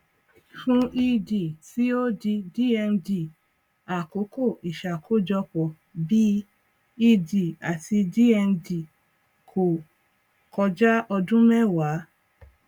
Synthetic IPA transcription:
fũ˦ʔi˧di˨ti˦o˦di˧di˦˨ɛ˧ndi˨ | a˨ko˨˦ko˦˨i˨ʃa˨kʰo˦˨d͡ʒɔ˧k͡pɔ˨ | bi˦ | i˧di˨a˨ti˧di˦ɛ˧ndi˨ | kʰo˨ | kʰɔ˧d͡ʒa˦ɔ˧dũ˦mɛ˦˨wa˨˦

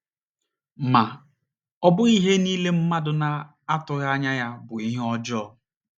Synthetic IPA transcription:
ma˨ | ɔ˦bʊ˦i˦ɦe˦niː˦le˦m̩˦ma˦dʊ˨na˨ | a˦tʊ˨ɣa˦ɲa˦ja˦bʊ˨i˦ɦe˦ɔ˦d͡ʒɔ˦˨

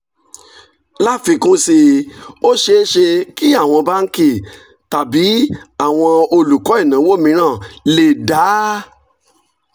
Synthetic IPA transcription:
la˦fi˧kũ˦si˧o˦ʃe˧˦ʃe˧ki˦a˦˨w̃ɔ̃˧ba˦ŋ̩˦ke˦˨ | ta˨bi˨˦a˦˨w̃ɔ̃˧o˧lu˨kɔ˨˦i˦˨nã˨˦wo˦˨mĩ˧˦ɾ̃ã˦˨le˦˨da˨˦

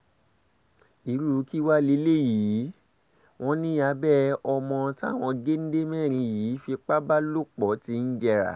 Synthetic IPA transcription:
i˨˦ɾu˦˨˦ki˦wa˦le˧˦le˦jiː˨˦ | w̃ɔ̃˦nĩ˦ja˧bɛ˦ɔ˧mɔ̃˧ta˦˨w̃ɔ̃˧ɡe˦n̩˦de˦mɛ̃˦˨ɾ̃ĩ˧jiː˨˦fi˧k͡pa˦ba˦lo˦˨k͡pɔ˨˦ti˧n̩˦d͡ʒɛ˧ɾa̰˨

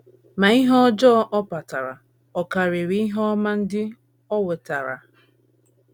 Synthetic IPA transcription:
ma˨i˦ɦɔ˦d͡ʒɔ˦ʔɔ˦pa˨ta˨ɾa̰˨ | ɔ˨ka˨ɾe˨ɾi˨˦i˦ɦɔ˦ma˦n̩˦dɪ˦ | ɔ˦we˨ta˨ɾa̰˨

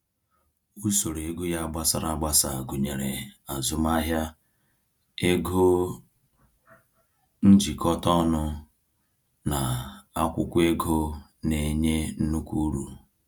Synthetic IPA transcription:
u˦so˨ɾe˨˦ɡu˦ja˦˨ɡ͡ba˦sa˦ɾa˨ɡ͡ba˦sa˨ɡu˨ɲe˨ɾḛ˨a˨zʊ˦m˦a˦ɦja˦ | e˦ɡo˦ | n̩˦d͡ʒi˨kɔ˦tɔ˦nʊ˦ | na˨a˦kʷʊ˦kʷe˦ɡo˦ne˨ɲe˦n̩˦nu˦kʷu˦ɾu˨

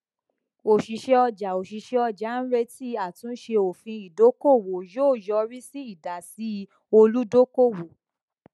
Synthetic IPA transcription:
o˨ʃi˨ʃe˧ɔ˧d͡ʒa˨o˨ʃi˨ʃe˧ɔ˧d͡ʒa˨˦n̩˦ɾe˦ti˦a˦˨tũ˨˦ʃe˧o˨fĩ˧i˨do˨˦ko˦˨wo˨joː˦˨jɔ˧ɾi˦si˦i˦˨da˨si˨˦˧ | o˧lu˦do˦ko˦˨wo˨

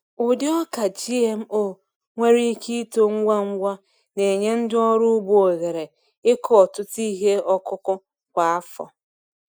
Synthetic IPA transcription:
ʊ˨dɪ˦ɔ˦ka˨d͡ʒi˦e˦m̩˦o˦˨ | ŋʷe˦ɾi˦ki˦to˦ŋ̩˦ɡʷa˦ŋ̩˦ɡʷa˦ | ne˨ɲe˦n̩˦dɪ˦ɔ˦ɾʊ˦bu˦o˨ɣe˨ɾe˨ | ɪ˦kɔ˦ɔ˨tʊ˦ti˦ɦe˦ɔ˦kʊ˦kʊ˦ | kʷa˨a˦fɔ̰˨

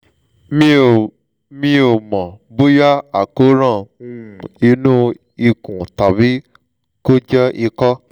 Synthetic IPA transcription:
m˨ | mĩ˧o˨mɔ̃˨bo˦ja˦a˨ko˨˦ɾã˦˨ũ˦˧˨i˧˦nũ˦ | i˧kũ˨ta˨βi˨˦ | ko˦d͡ʒɛ˦ʔi˧kɔ˦

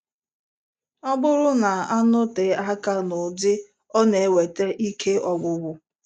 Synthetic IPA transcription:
ɔ˦bʊ˦ɾʊ˦na˨a˦nʊ˦te˨a˦ka˦nʊ˨dɪ˦ | ɔ˦ne˨e˨we˨te˦ʔi˦kʰe˦ɔ˦ɡ͡bʷʊ˨ɡʊ˨

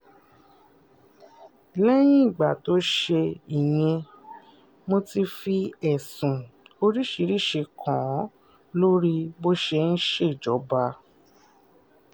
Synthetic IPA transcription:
lɛ˦j̃ĩ˦i˦˨ɡ͡ba˨to˨˦ʃe˧i˨j̃ɛ̃˧ | mo˧ti˧fi˧ɛ˨sũ˨o˧ɾi˦ʃi˧ɾi˦ʃe˧kʰɔ̃˨˦ | lo˦ɾi˦bo˦ʃe˧n̩˦ʃe˦˨d͡ʒɔ˨˦ba˧

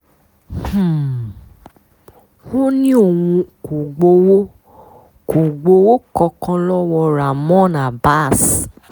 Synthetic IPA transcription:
h̩˦˨ | wo˦nĩ˦o˦˨wũ˧ko˨ɡ͡bo˧wo˦ | ko˨ɡ͡bo˧˦wo˦kɔ˧kɔ̃˧lɔ˦wɔ˧ɾa˨mɔ̃˦˨nã˨ba˦˨s

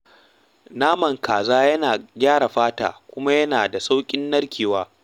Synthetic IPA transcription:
naː˦mɐ˨ŋkaː˨zaː˦jɐ˦naː˨ɡʲaː˦ɽa˨ɸaː˦ta̰ː˨kʷʊ˦ma˦jɐ˦naː˨da˨sa˦wkʲʼɪ˦nːɐ˦rkʲʰiː˨waː˦

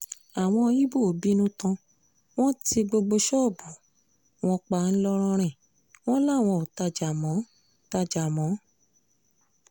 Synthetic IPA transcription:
a˨w̃ɔ̃˧jĩ˦bo˦˨bi˦nũ˦tã˧ | w̃ɔ̃˦ti˧ɡ͡bo˧ɡ͡bo˧ʃɔ˦˨bu˨˦ | w̃ɔ̃˧k͡pa˧˨n̩˦lɔ˧ɾ̃ɔ̃˧ɾ̃ɛ̃˦˨ | w̃ɔ̃˦la˦˨w̃ɔ̃˧˨o˨ta˧d͡ʒa˨mɔ̃˨˦ | ta˧d͡ʒa˨mɔ̃˨˦

